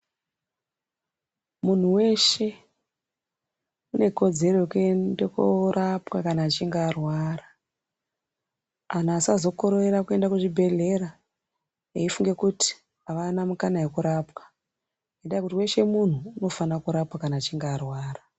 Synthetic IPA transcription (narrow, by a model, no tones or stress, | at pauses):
mun̤uwe̞ʃe̞ | une̞ko̞d͡ze̞ro̞jekuendekorapwakanaːt͡ʃiŋɡaːrwaːra | anasazo̞koɾoeɾakue̞ndakuʐibʱe̞ɮe̞ɾa | eifuŋɡe̞kuti̥ | aʋanamukanaje̞kuɾapwḁ | neɗaikutiwe̞ʃe̞mun̤uːno̞fanakuɾapwakanaːt͡ʃiŋɡaːrwaːra